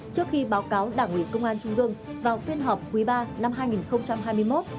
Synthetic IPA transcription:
t͡ɕɨ˦˥ək̚xi˧ɓaː˨˦wkaː˨˦wɗaː˧˩ŋʔwḭ˧˨kə˧wŋ͡mʔaː˧nt͡ɕʊ˧ŋ͡mʔɨ˧əŋvaː˨˩wt̪wi˧ənɦɔ˨˩p̚kwi˨˦ɓaː˧na˧mɦaː˧jŋi˨˩nxə˧wŋ͡mt͡ɕa˧mɦaː˧jmɨ˧əjmo˦˥t̚

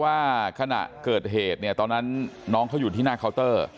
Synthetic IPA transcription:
waː˥˩kʰa˧na̰˨˩ʔkɤː˨˩t̪̚ɦeː˨˩t̪̚ni˥˩ɐt̪ɔː˧nːa˦˥nːɔː˦˥ŋkʰa˦˥wjuː˨˩i˥˩naː˥˩kʰa˦˥wt̪ɤː˥˩

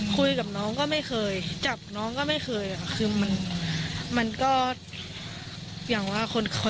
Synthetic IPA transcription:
kʰu˧jka˨˩p̚nɔː˦˥ŋkɔː˥˩ma˥˩jxʰɤː˧jt͡ɕa˨˩p̚nɔː˦˥ŋkɔː˥˩ma˥˩jxʰɤː˧jʔa˨˩a˧˩kʰɯː˧ma˧n | ma˧nkɔː˥˩ | jaː˨˩ŋwaː˥˩kʰo˧nʰo˧

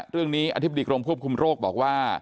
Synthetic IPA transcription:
ɾɯ˥˩əŋniː˦˥ʔa˧t̪ʰba˧diː˧kɾo˧mkʰu˥˩əp̚kʰu˧mɾoː˥˩k̚bɔː˨˩k̚waː˥˩

